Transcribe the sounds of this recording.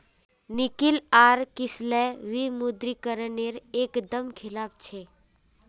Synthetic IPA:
nɪkilaːɾkɪslɛʋimud̪ɾikəɾəneɾeːkd̪əmkʰɪlaːp̚t͡ʃʰe

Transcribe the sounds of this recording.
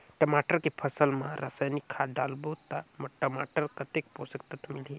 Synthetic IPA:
ʈəmaʈəɾkepʰəsəlmãɾa̰sanikʰːaɖaːlbot̪amɐʈəmaʈəɾkət̪ek̚posəkt̪ət̪mili

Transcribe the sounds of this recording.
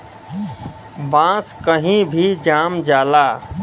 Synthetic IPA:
bãskəɦĩbʱid͡ʒamd͡ʒala

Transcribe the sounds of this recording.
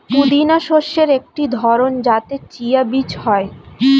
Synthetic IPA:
t̪ud̪inaʃoʃeɾek̚ʈid̪ʱɔɾond͡ʑat̪et͡ɕijabit͡ɕhɔe

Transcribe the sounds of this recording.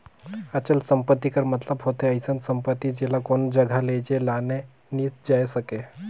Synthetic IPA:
ət͡ɕəlsəmpət̪ːikəɾmət̪ləbɦot̪ʰeəjsənsəmpət̪ːid͡ʑelakond͡ʑəɡʱaled͡ʑelane | nisd͡ʒajsəke

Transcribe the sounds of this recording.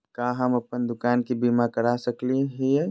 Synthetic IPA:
kaːɦɐmɐpənd̪ʊkaːnkibimakəɾasəklieɦiɛ

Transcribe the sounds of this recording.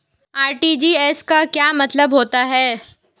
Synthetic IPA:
aːɾʈiːd͡ʒiːɛskakjaːmɐt̪ləbɦoːt̪aɦɛː

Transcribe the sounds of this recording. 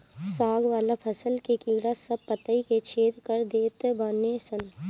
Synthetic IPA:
saːɡʋaːlapʰɐsəlkekiːɾasəb̚pət̪əiket͡ʃʰeːd̪kəɾd̪eːt̪baːnesən

